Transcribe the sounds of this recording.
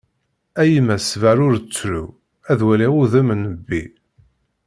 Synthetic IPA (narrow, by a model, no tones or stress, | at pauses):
æjmæsvæɾʊɾt͡sːɾu | æðwæliuðəmnəbːḭ